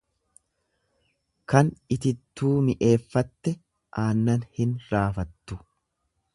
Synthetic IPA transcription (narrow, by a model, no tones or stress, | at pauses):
kɐnɪt̪ɪt̪ːuːmɪʔe̞ːfːɐt̪ːɛ | ʔaːnːɐnhɪnɾaːfɐt̪ːʊ